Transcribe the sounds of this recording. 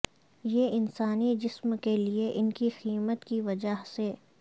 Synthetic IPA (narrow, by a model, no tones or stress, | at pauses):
jeɪnsaːnid͡ʒɪsmkelieʔɪnkixiːmət̪kiʋɐd͡ʒaɦseː